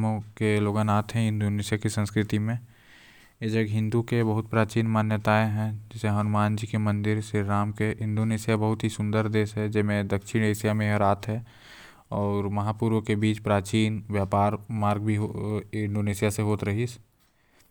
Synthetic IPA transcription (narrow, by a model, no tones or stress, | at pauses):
mõkeloːɡənaːt̪ɦɛ̃ɪ̃nd̪oneːsijakisə̃nskɾɪt̪imẽ | jed͡ʒəɡɦɪ̃nd̪ukebɐɦʊt̪pɾaːt͡ʃiːnmaːnjət̪aːeɦɛ̃d͡ʒɪseɦɐnʊmaːnd͡ʒiːkemɐ̃nd̪ɪɾsɪɾɾaːmkeʔɪ̃nd̪oneːsɪjabɐɦʊt̪ɦisʊ̃nd̪əɾd̪eːsɦɛd͡ʒɪmẽd̪ɐkʃɪneːsijamẽɦəɾaːt̪ʰɦɛ | ɔːɾmɐɦaːpuɾʋõkebiːt͡ʃpɾaːt͡ʃiːnʋjaːpaːɾmaːɾɡbʱiɦnɖoːneːsijaseɦoːt̪ɾɐɦis